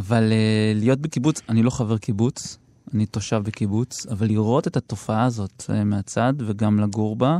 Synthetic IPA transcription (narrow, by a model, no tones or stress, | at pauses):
avalelijo̞t̚bekibut͡sanilo̞χave̞ʁkibut͡s | anito̞ʃavbekibut͡savalːiʁo̞te̞tato̞faaːzo̞t̪meat͡sad̪veɡamlaɡuʁba